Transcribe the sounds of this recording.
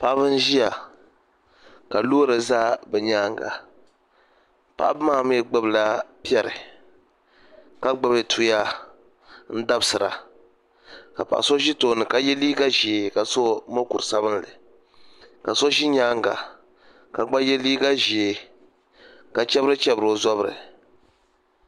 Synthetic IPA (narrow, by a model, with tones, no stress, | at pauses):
pa˦ʔβɨ˦n̩˦ʒi˦ja˨ | ka˨lo˦ɾɨ˨zaː˦bɛ˨ɲaː˦ŋɡa̰˨ | pa̰˨ʔbɨ˦maː˦m˦ɛ˦ɡ͡bɛ˦bɨ˨la˦pi˦ɛ˦ɾɨ̰˨ | ka˦ɡ͡bɨ˦bɨ˦tʰu˦ja˦ | n̩˦da˦bɨ˦sɨ˨ɾa̰˨ | ka˨pa̰˨ʔa̰˨so˦ʒi˦to˨˦nɨ˨ka˦jɛ˦liː˦ɡa˦ʒi˨e˨ka˨so˦mo˦ku˨ɾɨ˨sa˦bɨ˦n˦lɨ̰˨ | ka˨so˦ʒi˦ɲaː˦ŋɡa̰˨ | ka˨ɡ͡ba˦jɛ˦liː˦ɡa˦ʒi˨e˨ | ka˨t͡ʃɛ˦bɨ˦ɾɨ˦t͡ʃɛ˦bɨ˨ɾo˦za˦bɨ˨ɾɨ̰˨